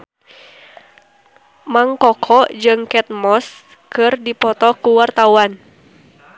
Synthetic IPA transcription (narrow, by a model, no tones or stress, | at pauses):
maŋkɔkʰɔd͡ʒɨŋkɛt̪̚mɔs | kɨrdipɔt̪ɔkuwart̪auan